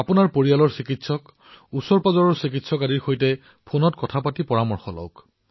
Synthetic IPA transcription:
apʊnaɹpoɹialɔɹsikitsɔk | usɔɹpazɔɹɔɹsik̬itsɔkadiɹxojtɛ | pʰonɔtkɔtʰapatipɔɹamɔɹxɔlɔ̰wk

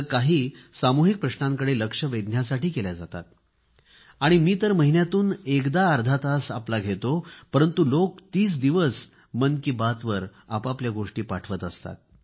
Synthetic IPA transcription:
kaɦiːsamuɦik̚pɾəɕnaŋkəɽeləkʂəʋed̪njasaʈiːkeljad͡zat̪a̰t̪ | aɽ̃imiːt̪əɾməɦinjat̪uːnekd̪aːɾd̪ʱat̪asaplaɡʱet̪opəɾənt̪ulok̚t̪iːt͡sd̪iʋəs | mənkiːbat̪ʋəɾapapljaɡoʂʈiːpaʈʰʋət̪əst̪a̰t̪̚

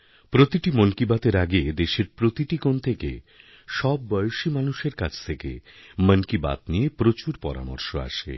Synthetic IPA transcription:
pɾot̪iʈimənkibat̪eɾaɡed̪eʃeɾpɾot̪iʈikont̪ʰekḛ | ʃɔbːɔjoʃimanuʃeɾkat͡ɕʰt̪ʰekḛmənkiba̰t̪nijepɾot͡ɕuɾpɔ̰ɾa̰mo̰ɾʃoa̰ʃḛ

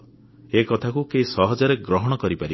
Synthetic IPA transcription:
ekɔt̪ʰakukeisɔɦɔd͡ʒɔɾeɡɾɔɦɔɽ̃ɔkɔɾipaɾi

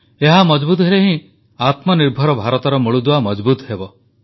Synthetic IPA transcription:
eɦamɔd͡ʒbut̪̬ɔɦeleɦĩ | at̪mɔniɾbʱɔɾɔbʱaɾɔt̪ɔɾɔmoɭud̪uwamɔd͡ʒbut̪ɔɦebɔ

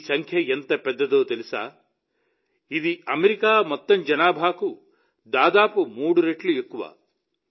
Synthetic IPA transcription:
sɐŋkʰjɐent̪ɐpɛd̪ːɐd̪oːt̪elisa̰ː | id̪iʔɐmeɾikaːmɐt̪ːɐmd͡ʒɐnaːbʱaːku | d̪aːd̪aːpumuːɽuɾeʈluekːuʋa̰ː

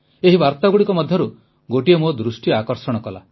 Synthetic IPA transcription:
eɦibaɾt̪aɡuɽikɔmɔd̪ʱjɔɾu | ɡoʈiemod̪ɾusʈiakɔɾsɔɽ̃ɔkɔla̰

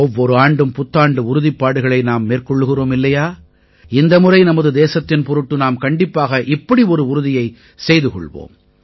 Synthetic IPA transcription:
ɔʋːɔɾɯaːɳɖɯmpʊt̪ːaːɳɖɯʊɾʊðɪpːaːɽɯɣɐɭɐɪnaːmːeːrkɔɭːɯɣɪroːmɪlːɐjaː | ɪnd̪ɐmʊɾɐɪnɐmɐðɯd̪eːsɐt̪ːɪnpɔɾɯʈːɯnaːmkɐɳɖɪpːaːɣɐʔɪpːɐɽiɔɾɯʊɾʊðɪjɐɪ | sɛjðɯkɔ̰ɭʋo̰ːm

